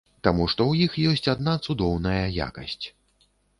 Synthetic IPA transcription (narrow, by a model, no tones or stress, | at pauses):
t̪amuʂt̪ɔwjixjɔsʲt͡sʲad̪nat̪sud̪ɔwnɐjɐja̰kɐsʲt͡sʲ